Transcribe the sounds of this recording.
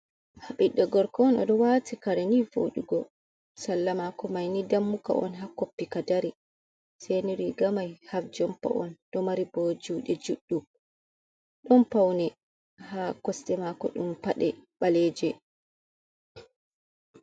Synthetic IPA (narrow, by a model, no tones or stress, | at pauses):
haɓiɗːɔɡɔɾkɔɔnɔ̰ɗɔwatikaɾɛnivo̰ɗuɡɔ | salːamakɔmajnidamːuka̰ʔɔ̰nɦakopːikadaɾi | sɛniɾiɡamajhafd͡ʒɔmpa̰ʔɔnɗɔmaɾibod͡ʒuːɗɛd͡ʒuɗːu | ɗɔmpawnɛ | haːkɔstɛmakɔɗumpaɗɛɓalɛd͡ʒɛ